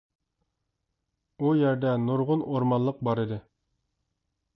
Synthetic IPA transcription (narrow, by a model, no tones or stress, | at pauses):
ujæɾd̪ænoɾʁunoɾmɑnːˠɤq̚bɑɾid̪ɘ